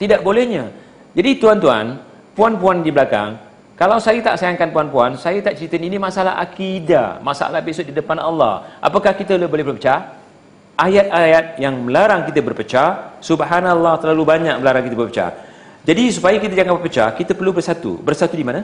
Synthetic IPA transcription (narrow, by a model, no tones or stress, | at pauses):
t̪idaʔbolɛhɲa | d͡ʒadit̪uant̪̬ua̰n | puanpuandibəlaka̰ŋ | kalawsajat̪a̰ʔsajaŋkanpuanpuansajat̪aʔt͡ʃɾit̪əninimasala̰ha̰kida̰masa̰lahbesʊdidəpanɑlːɑ̰hʔa̰pakahkit̪əolɛbolɛhbopət͡ʃa | ʔajat̪̚ajat̪̚jaŋməlaɾaŋkit̪əbərpət͡ʃasubɦanalːɑht̪əlalubaɲak̚məlaɾaŋkit̪əbərpət͡ʃa̰ | d͡ʒadisupajakit̪ad͡ʒaŋaŋbəpət͡ʃa̰kit̪əpərlubərsat̪ṵbərsat̪udimãna